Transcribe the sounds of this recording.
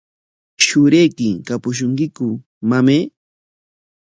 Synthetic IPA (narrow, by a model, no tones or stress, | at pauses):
ʃʊɾejkɪŋkapʊʃ̬ʊŋkɪkʊ | mameː